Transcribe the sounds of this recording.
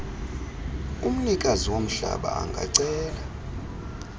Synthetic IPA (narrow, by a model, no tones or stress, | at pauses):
um̩nikʼaziwom̩ɬa̰ɓaːŋɡʱaǀɛːla